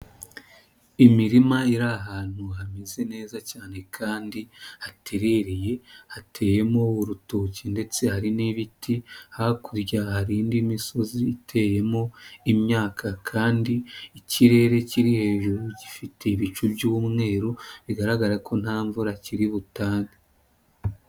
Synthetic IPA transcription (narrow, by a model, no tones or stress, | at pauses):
imiɾimaiɾaɦaːn̥uhamize̞ne̞ːzacaːne̞kʰaːndihatʰe̞ɾe̞ɾeje̞hatʰe̞je̞mouɾutocinde̞t͡se̞haɾiniβitihakuɾɟahaɾiːndimiso̞ziːtʰe̞ːje̞moimɲaːkʰakʰaːndiːciɾe̞ːɾe̞ciɾihe̞ːʒuɾuɟifitʰe̞iβit͡ʃubjuːmŋe̞ːɾuβiɡaɾaɡaɾakʰo̞n̥haːɱvuɾaciɾiβutaːŋɡa